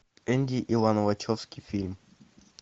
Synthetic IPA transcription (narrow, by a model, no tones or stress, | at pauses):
ɛ̃ndiʔiwãnɔvat͡ʃʰɔfskifilm